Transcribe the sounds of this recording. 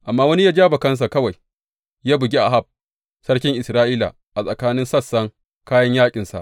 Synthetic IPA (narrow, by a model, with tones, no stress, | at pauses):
ʔa˨mːaː˦wɐ˦ni˦jaː˦d͡ʒaː˦bɐ˨kɐ˦ns̬a˨kɐ˦wa˨j | jaː˦bʊ˨ɡʲi˦ʔa˨ɦa˦˨b̚ | sɐ˦rkʲɪ˦ŋʔɪ˨sɾaː˦ʔiː˦la̰˨ | ʔa˨sʼɐ˨kaː˦nɪ˦nsɐ˦˨sːɐ˦ŋ | kaː˦jɐ˦ɲjaː˦kʲʼɪ˨nsa̰˨ʔ